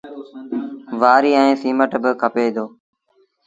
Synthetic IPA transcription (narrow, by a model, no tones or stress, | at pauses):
ʋaːɾiːɛ̃ẽːsiːməʈbɪkʰəpeːd̪oː